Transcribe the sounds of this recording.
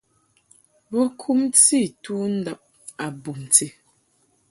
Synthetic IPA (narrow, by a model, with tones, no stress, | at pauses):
bɔ˦kʰu˦mti˦˨tu˦n̩˦da˦˨p̚ | a˨bu˨m˨t͡se˨